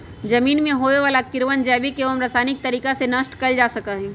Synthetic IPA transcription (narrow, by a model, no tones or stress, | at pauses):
d͡ʒɐmiːnmẽɦoːeʋaːlakɪɾʋənd͡ʒɛːbikeomɾaːsaːnɪk̚t̪ɐɾiːkasenɐsʈkɐld͡ʒaːsɐkaɦɛ̃ː